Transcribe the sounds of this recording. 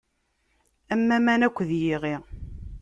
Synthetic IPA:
æmːæmænækʷːðjiʁi

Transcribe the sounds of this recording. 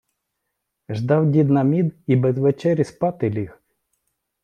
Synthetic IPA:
ʒd̪ɑwdʲid̪nɐmʲid̪ibɛzʋet͡ʃɛɾʲispɑt̪ɪlʲix

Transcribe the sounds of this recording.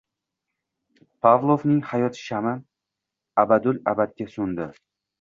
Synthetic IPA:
pʰavlˠovnɪŋhajɒt̪ʃamɪ | abad̪ʊla̰bat̪̚ɡʲasʊnd̪ɪ

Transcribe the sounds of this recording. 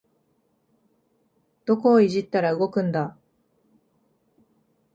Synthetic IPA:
d̪̥o̞ko̞ːiʑit̪ːaɾaɯ̟ɡo̞kɯ̟̃nd̪a

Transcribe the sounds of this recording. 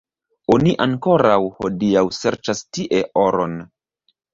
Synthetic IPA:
oniʔaŋko̞ɾawho̰diawseɾt͡ʃastiʔe̞ʔoɾon

